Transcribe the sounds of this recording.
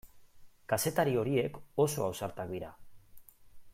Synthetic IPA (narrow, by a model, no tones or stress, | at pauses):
kase̞t̪aɾio̞ɾie̞ko̞so̞awsaɾt̪ak̚d̪iɾa